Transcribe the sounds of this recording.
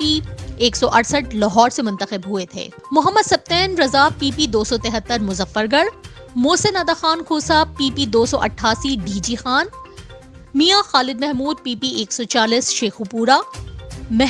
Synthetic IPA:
ieːksɔʔɐɽsəʈlɐɦɔːɾsemʊ̃nt̪əxɪbɦʊet̪ʰḛː | mʊɦəmːəd̪sɐb̚t̪ɛːnɾɐzaːpːiːpid̪oːsɔt̪ɛɦət̪ːəɾmʊzəfːəɾɡəɾ | moːsenɐːd̪axaːnkʰuːsaːpiːpid̪oːsɔʔɐ̰ʈʰːaːsiɖiːd͡ʒiːxaːn | mijaxaːlɪd̪̚mɛɦmuːd̪̚piːpieːksɔt͡ʃaːliːsʃeːxupuːɾa | mɛ

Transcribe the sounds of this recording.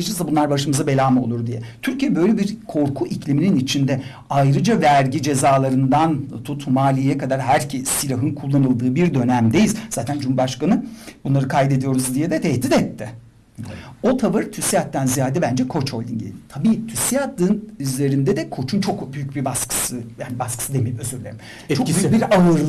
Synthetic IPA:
t͡ʃɯnzabunlˠaɾbaʃɯmɯzabe̞lʲaːmo̞lˠuɾd̪ijɛt̪ʰyɾcijɛbø̞jlʲebiɾkʰo̞ɾkʰuʔiclʲimininit͡ʃʰind̪ɛ | ajɾɯd͡ʒavæɾɟid͡ʒe̞zaːlˠaɾɯnd̪ant̪ʰut̪maːlʲijɛkad̪aɾɦæɾcʰisilʲaɦɯnkʰulˠːanɯlˠd̪ɯːbiɾd̪ø̞næmd̪ejizzaːt̪ʰænd͡ʒumubaʃkanɯbunlˠaɾɯkʰajd̪e̞d̪ijo̞ɾuzd̪ijɛd̪ɛt̪ʰɛhd̪it̪ɛt̪ːɪ | o̞t̪ʰabɯɾɯt̪ʰysijat̪ːænzijaːd̪ɛbænd͡ʒɛkʰo̞t͡ʃʰho̞lʲḭnɟḛlʲd̪it̪ʰabiːt̪ʰysijat̪ːɯːnyzlʲe̞ɾind̪ɛd̪ɛkʰo̞t͡ʃʰunt͡ʃʰo̞kbyjyc̚bibaskʰɯ̥sɯjaːnibaskɯ̥sɯd̪emeimøzyɾlʲeɾim | t͡ʃokyybiɾaɯɾlˠ

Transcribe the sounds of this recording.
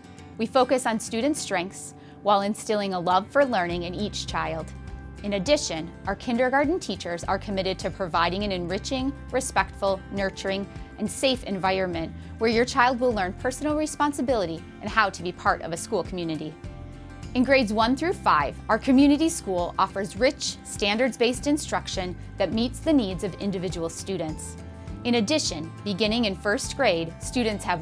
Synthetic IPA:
wifoʊkɨsn̩stʉd̃ⁿn̩tstɹ̥ɛ̃ŋk̚θs | waɪlˠɨ̃nstɪlˠɪ̃ŋəlʌv̥fə˞lɜ̃˞nɪ̃ŋɨ̃nit͡ʃt͡ʃʰaɪlˠdɨ̃nɨdɪʃɨ̃nʔaə˞kʰɪ̃ndə˞ɡɑɹdⁿn̩tʰit͡ʃə˞zə̰˞kʰɨmɪɾɨd̚tʰɨpʰɹ̥ɨvaɪɾɪ̃ŋɨ̃nɨ̃nɹɪt͡ʃɪ̃ŋ | ɹɨspɛk̚tfl̩ˠnɜ˞t͡ʃə˞ɪ̃ŋʔɨ̃nseɪfɨ̰̃ɱvaɪɹə̃nmɨ̃nʔ | wə˞jə˞t͡ʃʰaɪlˠd̚wəlˠɜ̃˞npʰɜ˞sn̩l̩ˠɹɨspɑ̃nsɨbɪlˠəɾi | ʔɨ̃nhaʊɾɨbipʰɑɹɾʌ̰vɨskulˠkʰm̩jʉnɨɾi | ɨ̃nɡɹeɪdzwʌ̃nθɹʉfa̰ɪv̥aʊə˞kʰɨmjʉnɨɾiskulˠɔfə˞zɹɪt͡ʃstæ̃ndə˞dzbeɪstɨ̃nstɹ̥ʌkʃɨ̃n | ðɨt̚mitsðɨnidzʌvɪ̰̃ndɨvɪd͡ʒəwl̩ˠstʉdⁿn̩ts | ɨ̃ɾ̃ɨdɪʃɨ̃nbɨɡɪ̃ñɪ̃ŋɨ̃nfɜ˞sɡ̥ɹeɪd̥stʉdⁿn̩tshɨv

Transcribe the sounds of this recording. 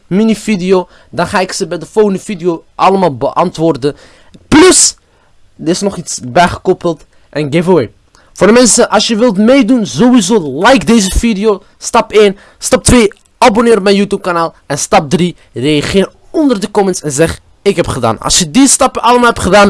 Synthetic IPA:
minifidɪjo | dɑnχaːɪksəbɛjdəfolɣəndəvidijoʔɑləmaːlˠbəʔɑntʋʊːrdə | plɵs | dəɪsnɔχitsbɛjχə̥kɔpəlˠt | ʔɛnɡeːvoweː | foːrdəmɛnsəʔɑsjəʋɪlˠtmejdunzoʋizoːlɛjkdejzəvidɪjo | stɑpeːn | stɑp̚tʋeː | abonɪːɾɔpmɛnjutjuːp̚kanaːlˠ | ɛnstɑp̚dri | rejɑχɪːr | ɔndərdəkɔmənsɛnzɛχ | ɪkɦɛpχəda̰ːnɑ̰lˠsjədistɑpəʔɑləmaːɦɛp̚tχədaːn

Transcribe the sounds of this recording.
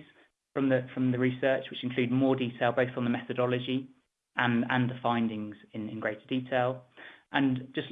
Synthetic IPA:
z̥ | fɹə̃mðəfɹə̃mðəɹisɜˑt͡ʃwɪt͡ʃɪ̃nkʰl̥ʉːd̚mɔːdiˑtʰeɪlˠbəʊθn̩ðəmɛθədɒləd͡ʒi | ʔə̃nə̃nðəfãɪ̃ndɪ̃ŋz̥ɪ̃nɪ̰̃nɡɹeɪtʰədiˑtʰeɪlˠʔə̃nd͡ʒʌs

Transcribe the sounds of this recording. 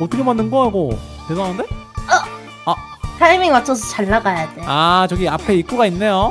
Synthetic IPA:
ʌt͈ɯkʰemanːɯnɡʌaiɡo | tesʰʌanɯnde̞ | ʌ | a | sʰamiŋwat͡ɕ͈ʰʌs̬ʰʌ̥t͡ɕaɭːaɡajadeat͡ɕʌɡiapʰe̞ik͈uɡainːe̞jo

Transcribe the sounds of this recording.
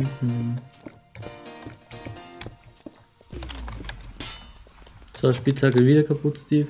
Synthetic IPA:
t͡sv̥aɪʃpit͡saɡəviːdɐkʰapʰʊtstʰiːf

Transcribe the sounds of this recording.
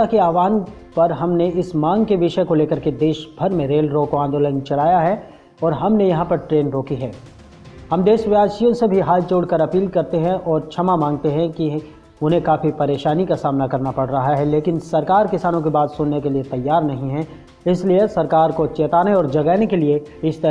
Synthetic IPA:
akeaːʋaːnpɐɾɦɐmneɪsmãːŋɡkeʋɪʃəkoleːkəɾked̪eːʃbʱɐɾmẽɾeːlɾoːkoãːnd̪oːlənt͡ʃɐɽaːjaɦɛ | ɔːɾɦɐmnejɐɦãpɐɾʈɾeːnɾoːkiɦɛː | hɐmd̪eːʃʋjaːsijõsebʱiɦaːlt͡ʃoːɽkɐɾɐpiːlkɐɾt̪eɦɛ̃ʔɔːɾt͡ʃʰɐmamãːŋɡ̚t̪eɦɛ̃ki | ʊnɦẽkaːfipɐɾeːʃaːnikasaːmnakɐɾnapɐɽ̤ɾɐɦaɦaɦɛleːkɪnsɐɾkaːɾkɪsaːnõkebaːt̪sʊnːekeliet̪ɐjːaːɾnɐɦĩɦɛ̃ | ɪsliesɐɾkaːɾkot͡ʃeːt̪aːneɔːɾd͡ʒɐɡɛːnekelie | ɪst̪ɐ

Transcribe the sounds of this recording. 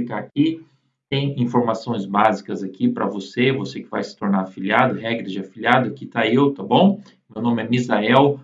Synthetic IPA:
ikaaki | t̪ẽj̃ĩfoɾmasõj̃zbazikɐzakipɾɐ̰vosevosekɪva̰jsɪ̥t̪oɾnaɾafiliad̪ʊɦɛɡɾɐd͡ʒɪafiliad̪ʊakit̪aewt̪abõw̃ | mewnõmɪɛmizaɛw

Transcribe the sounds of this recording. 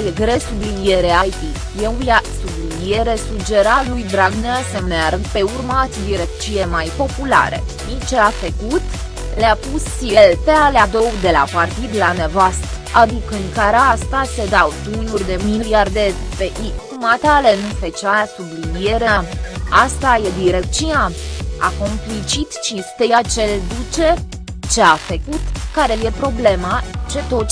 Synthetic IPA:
jeɡɾe̞sublinijeɾeajt̪i | jelasublinie̞ɾe̞sud͡ʒe̞ɾalujd̪ɾaɡneasemnearpe̞urmat̪sʲd̪iɾekt͡ʃilemajpo̞pula̰ɾe̞̰ | int͡ʃeafekut̪ | leapusielpealad̪o̞wd̪e̞la̰part̪id̪lane̞vast̪əad̪ikəɨŋkaɾast̪ased̪awt̪unurʲd̪e̞miliard̪epeʔikumat̪alenufet͡ʃasublinijeɾeaast̪aje̞d̪iɾekt͡ʃinaa̰ko̞mplit͡ʃit̪t͡ʃist̪ejat͡ʃe̞ld̪ut͡ʃe | t͡ʃeafəkut̪kaɾe̞je̞pɾo̞ble̞mat͡ʃe̞t̪ot͡ʃ

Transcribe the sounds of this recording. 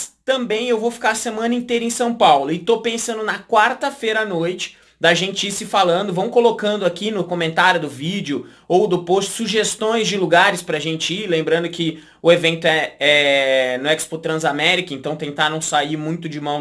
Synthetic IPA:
st̪ɐ̃mbẽj̃ewvowfi̥kaɾɐsemɐ̃nɐĩnt̪ejɾɐẽj̃sɐ̃w̃pawlʊɪt̪opẽsɐ̃nd̪ʊnɐkwaɾt̪ɐfejɾɐanojt͡ʃɪ̥ | d̪ɐʒẽnt͡ʃɪisɪfalɐ̃nd̪ʊvɐ̃w̃kolokɐ̃nd̪ʊakinʊkomẽnt̪aɾjʊd̪ʊvid͡ʒɪʊ | owd̪ʊpost͡ʃɪ̥suʒest̪õj̃zd͡ʒɪluɡaɾɪspɾaʒẽnt͡ʃɪilẽmbɾɐ̃nd̪ʊkɪ | ʊevẽnt̪ʊɛɛnʊɛkspot̪ɾɐ̃zamɛɾikɐẽnt̪ɐ̃w̃t̪ẽnt̪aɾɐ̃w̃saiɾmũj̃t̪ʊd͡ʒɪmɐ̃w̃

